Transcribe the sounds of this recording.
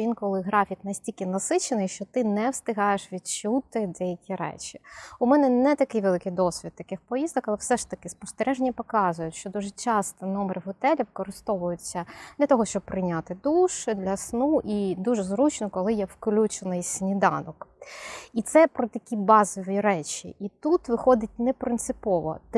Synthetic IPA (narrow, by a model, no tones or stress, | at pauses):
inkɔlˠɪɦɾɑfʲiknɐsʲtʲilʲkɪnɐsɪt͡ʃenɪjʃt͡ʃɔt̪ɪnɛwst̪ɪɦɑjeʃʋʲid̪t͡ʃut̪ɪd̪ɛjɐkʲiɾɛ̰t͡ʃʲi̥ʊmɛnɛnɛt̪ɐkɪjʋelˠɪkɪjd̪ɔsʲʋʲid̪t̪ɐkɪxpɔjizd̪ɔkɐlˠɛwsɛʃt̪ɐkɪspɔst̪ɛɾɛʒenʲɐpɔkɑzʊjʊtʲʃt͡ʃɔd̪uʒɛt͡ʃɑst̪ɔnɔmeɾɪɦɔt̪ɛlʲiʋkɔɾɪst̪ɔʋʊjʊt͡sʲːɐd̪̥lʲɐt̪ɔɦɔʃt͡ʃɔb̚pːɾɪnʲat̪ɪd̪uʃɪd̪lʲɐsnuʔid̪uʒɛzɾut͡ʃnɔkɔlˠɪjɛfklʲut͡ʃenɪjsʲnʲid̪ɑnɔk | it̪sɛpɾɔt̪ɐkʲibɑzɔʋʲiɾɛt͡ʃḭʔit̪ut̪ʋɪxɔd̪ɪt̚ʲnɛpɾɪnt̪sɨpɔʋɔ̰t̪